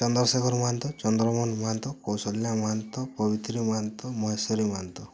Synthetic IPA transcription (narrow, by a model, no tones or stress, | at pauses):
t͡ʃɔnd̪ɾɔsekɔɾmaant̪ɔt͡ʃɔnd̪ɾɔmɔnmaant̪ɔkɔwsɔljamaant̪ɔpɔbit̪ɾimant̪ɔmɔɦesɔɾimant̪ɔ